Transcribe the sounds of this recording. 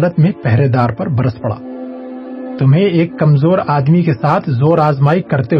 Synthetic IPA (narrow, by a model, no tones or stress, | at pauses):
lət̪mẽpɛɦɾeːd̪aːɾpɐɾbɐɾəspɐɽa̰ː | t̪ʊmɦẽeːkːɐmzoːɾaːd̪mikesaːt̪ʰzoːɾaːzmaːɪikːɐɾt̪e